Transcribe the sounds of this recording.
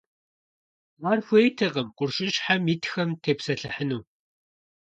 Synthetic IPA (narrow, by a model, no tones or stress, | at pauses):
warxʷeːjtʰɨqəmqʷʊrʃɪʃħamitxɐmtʰeːpsɐɬɨħənuː